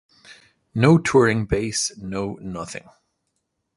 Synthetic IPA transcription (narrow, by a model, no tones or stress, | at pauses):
noʊtʰʊɹɪ̃ŋbeɪsnoʊnʌθɪ̰̃ŋ